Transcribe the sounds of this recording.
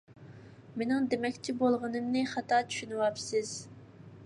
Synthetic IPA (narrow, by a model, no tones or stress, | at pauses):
menɪŋd̪emɛkʲt͡ʃʰibolˠʁənɨmnɪχɑt̪ɑt͡ʃʰy̥ʃynɨwɑpsɪz̥